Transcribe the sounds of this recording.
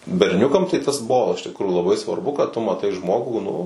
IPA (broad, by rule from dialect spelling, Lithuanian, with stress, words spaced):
bʲɛrʲˈnʲʊkɐm tɐɪ tɐs ˈbʊʋoː ɪʃ tʲɪkˈruːjuː lˠɐˈbɐɪ sʋɐrˈbʊ kɐt tʊ mɐˈtɐɪ ˈʒmoːɡuː nʊ